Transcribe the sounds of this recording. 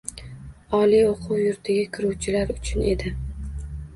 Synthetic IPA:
ɒlioqʰʊwjʊɾt̪ʰɪɡʲakʲʰɪɾuwt͡ʃʰɪlaɾʊt͡ʃʰʊne̞̰d̪ɪ

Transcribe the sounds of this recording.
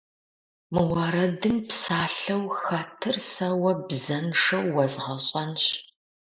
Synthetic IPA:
mɨwɐɾɐdɨmpsaːɬɐwxɐtʰɨrsɐwɐbzɐnʂɐwːɐzʁɐɕʼɐnɕ

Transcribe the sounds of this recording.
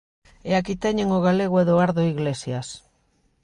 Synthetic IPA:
eakit̪eɲeŋoɣ̞aleɣ̞oeðoaɾðoiɣlesjas

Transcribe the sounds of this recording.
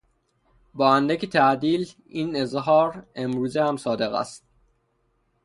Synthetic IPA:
bɒːænd̪æcʰet̪ʰæʔd̪iːl | iːne̞zɦɒːɾe̞mɾuːzehæmsɒːd̪e̞ɣæ̰st̪̚

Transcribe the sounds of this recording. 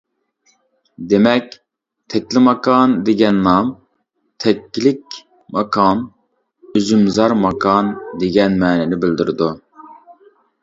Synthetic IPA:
d̪emɛk̚ʲ | t̪ʰɛkʲlɪmɑkʰɑnd̪eɡʲɛnːɑm | t̪ʰɛkʲːlɪk̚ʲ | mɑkʰɑn | yzymzɑɾmɑkʰɑnd̪eɡʲɛnmɛːnɛnɪbɪld̪yɾɪd̪u

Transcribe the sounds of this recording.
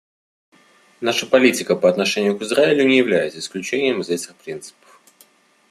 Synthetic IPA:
naʂəpɐlʲitʲɪkəpəɐt̪nɐʂɛnʲɪjʊkɨzraɪlʲʊnʲɪjɪvlʲæjɪt̪səɪsklʲʉt͡ɕenʲɪjəmɨzʲetʲɪxpɾʲint̪sɨ̥pə̥f

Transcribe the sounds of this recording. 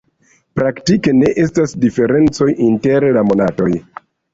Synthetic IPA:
pɾaktike̞ne̞ʔe̞stasdife̞ɾe̞nt͡so̞jʔinte̞ɾlamo̞nato̞j

